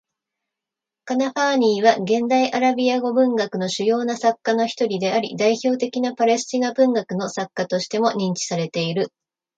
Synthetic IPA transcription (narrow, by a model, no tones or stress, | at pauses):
kanaɸaːɲ̟iːβaɡẽ̞nd̪aiʔaɾabʲiaɡo̞bɯ̟̃ŋɡakɯ̟no̞ɕɨjo̞ːnasakːano̞çi̥t̪o̞ɾʲid̪e̞aɾʲḭd̪aiço̞ːt̪e̞kʲinapaɾe̞sɨ̥t͡ɕinabɯ̟̃ŋɡakɯ̟no̞sakːat̪o̞ɕi̥t̪e̞mo̞ɲ̟ĩɲ̟t͡ɕi̥saɾe̞t̪e̞iɾɯ̟